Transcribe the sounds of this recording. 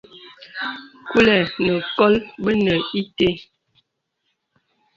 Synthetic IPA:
ku˦lɛ˨nə˨kɔ˦lbə˦nə˨i˦te˦

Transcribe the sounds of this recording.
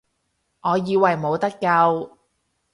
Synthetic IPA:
ʔɔː˨˧jiː˧wɐ˨jmo˨˧wt̪ɐ˥kːɐ˧w

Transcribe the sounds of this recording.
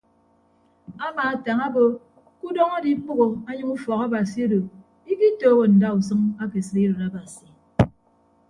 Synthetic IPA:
a˦maː˨a˨ta˨ŋa˦bo˦ | ku˦dɔ˦ŋa˦di˦k͡pu˦ɣo˨a˦ɲɨ˦mu˦fɔ˨ka˦ba˨si˨e˦do˨ | i˦ki˦toː˦ɣo˨n̩˨da˦u˨sɨ˦ŋa˦ke˨sɨ˨ɾi˦ɾo˨ɾa˦ba˨si˨

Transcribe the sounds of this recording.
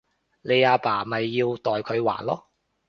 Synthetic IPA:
le˨˧jaː˧paː˨˩mɐ˨jːiː˧wt̪ɔː˨jkʰɵ˨˧ɥwa̰ː˨˩nlɔː˥

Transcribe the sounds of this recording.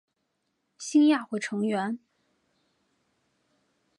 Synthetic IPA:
ɕi˥nja˥˧xwɛ˥˩ʈ͡ʂʰɤ˧˥ŋɥɛ˧˥n

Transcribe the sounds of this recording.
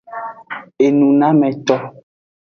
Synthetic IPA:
e˨nũ˨nã˦mɛ̃˨tɔ˦

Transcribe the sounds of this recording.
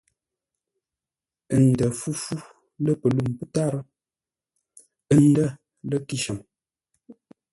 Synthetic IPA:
ə˨n̩˨də˨fu˦fu˦ | lə˦pə˨lu˦˨mpə˦ta˦˨ɾə˦ | ə˦n̩˦də˦ | lə˦ki˦ʃə˨m

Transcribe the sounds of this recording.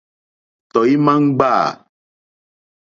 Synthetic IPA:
t̪ɔ˨ji˦mã˦ŋ̩˦ɡ͡ba˦˨

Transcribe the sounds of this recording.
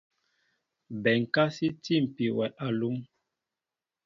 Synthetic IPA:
bɛ˨ŋ˨ka˦si˦ti˦˨m̩˨pi˨wɛ˨ʔa˨lu˦m

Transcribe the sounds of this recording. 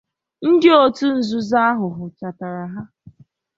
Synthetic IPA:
n̩˦dɪ˦o˦tu˦n̩˨zu˦za˦a˦ɦʊ˨ɦʊ˨t͡ʃa˨ta˨ɾa˨ɦa˦

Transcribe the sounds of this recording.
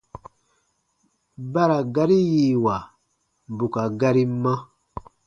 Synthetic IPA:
ba˦ɾa˨ɡa˦ɾi˦jiː˨wa˨ | bu˨ka˨ɡa˦ɾi˦mã˦

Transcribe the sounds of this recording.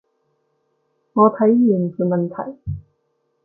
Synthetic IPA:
ŋɔː˨˧t̪ʰɐ˨˥jjiː˨˩nfuː˧mɐ˨nt̪ʰɐ˨˩j

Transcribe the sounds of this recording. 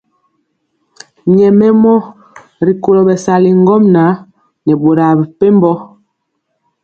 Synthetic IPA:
ɲɛ˨mɛ˦mɔ˦ | ɾi˨ko˨lɔ˨ɓɛ˨sa˨li˨ŋɡɔ˦mna˨˦ | nɛ˨ɓo˨ɾa˨bɛ˨pe˦mbɔ˦

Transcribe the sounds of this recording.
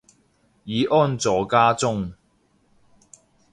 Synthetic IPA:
jiː˨˧˦ʔɔː˥nt͡sɔː˨kaː˥t͡sʊ˥ŋ

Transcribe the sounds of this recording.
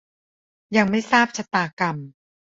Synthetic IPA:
ja˨˧ŋma˥˩jsaː˥˩p̚t͡ɕʰa˧t̪aː˧˩ka˨˩m

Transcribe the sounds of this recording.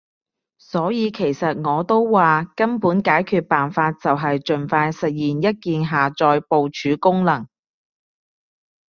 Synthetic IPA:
sɔː˨˥jiː˨˧kʰe˨˩jsɐ˨t̚ŋɔː˨˧t̪o˥wwaː˨kɐ˥npuː˨˥nkaː˨˥jkʰyː˧t̚paː˨nfaː˧t̚t͡sɐ˨wɦɐ˨jt͡ʃɵ˨˩nfaː˧jsɐ˨t̚jiː˨˩njɐ˥t̚kiː˨nɦaː˨t͡ʃɔː˧jpo˨wt͡ʃʰyː˨˧˥kʊ˥ŋlɐ˨˩ŋ

